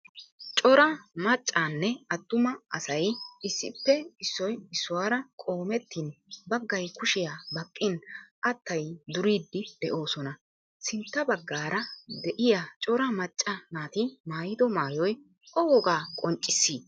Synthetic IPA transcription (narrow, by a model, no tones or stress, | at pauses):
t͡ʃʼɔɾɐmɐt͡ʃʼːaːnːɛɐt̪ːʊmɐɐsɐjʔɪsːɪ̰pːɛɪsːɔjɪsːʊwaːɾɐkʼo̞ːmɛt̪ːɪnbɐɡːɐjkʊʃɪjaːbɐkʼːɪnʔɐt̪ːɐjd̪ʊɾiːd̪ːɪd̪̥ɛʔo̞ːsɔnɐ | sɪnt̪ːɐbɐɡːaːɾɐd̪ɛʔɪjat͡ʃʼɔɾɐmɐt͡ʃʼːɐnaːt̪ɪmaːjɪd̪ɔmaːjɔj | ɔwɔɡaːkʼɔnt͡ʃʼːɪsːiː